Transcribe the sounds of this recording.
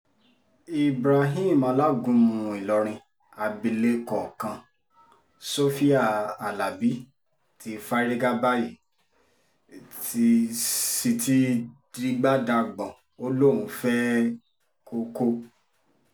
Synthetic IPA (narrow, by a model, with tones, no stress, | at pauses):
i˨bɾa˨ɦĩ˦˨mã˧˦la˦ɡũ˨˦mũũ˧i˨lɔ˨˧ɾ̃ĩ˧ | a˧bi˧le˦kɔ˨kã˧ | so˦fi˦a˦˨a˨la˨bi˨˦ | tʰi˨˧fa˦ɾi˦ɡa˦ba˦ji˨ | ti˧si˧ti˦di˦ɡ͡ba˦da˧ɡ͡bɔ̃˨ | o˦lõ˦˨ũ˨˦fɛ˦ | ko˦ko˦